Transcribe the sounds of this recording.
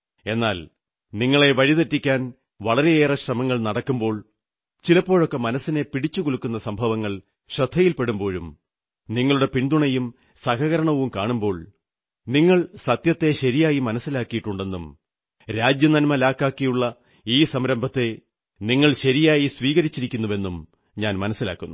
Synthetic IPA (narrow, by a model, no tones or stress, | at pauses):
e̞nːaːl | niŋːɐɭe̞ʋɐɻiðɐtːikʲːaːn | ʋɐɭɐɾe̞eːrɐɕrɐmɐŋːɐɭnɐɽɐkːumbo̞ːɭ | t͡ɕilɐpːo̞ːɻo̞kːe̞mɐnɐsːine̞piɽit͡ɕːukuɭukːunːɐsɐmbʱɐʋɐŋːɐɭ | ɕrɐd̪ʰʱːɐjilpeɽumbo̞ːɻum | niŋːɐɭuɽe̞piɳd̪uɳɐjum | sɐkɐɣɐɾɐɳɐʋumkaːɳumbo̞ːɭ | niŋːɐɭsɐt̪jɐt̪ːe̞ɕɐɾijaːjimɐnɐsːilaːkːijiʈːuɳɖe̞nːum | ɾaːd͡ʑjɐnɐnmɐlaːkːaːkːijuɭːɐ | iːsɐmɾɐmbʱɐt̪ːe̞ | niŋːɐɭɕɐɾijaːjisʋiːɣɐɾit͡ɕːiɾikʲːunːuʋe̞nːum | ɲaːnmɐnɐsːila̰ːkːunːu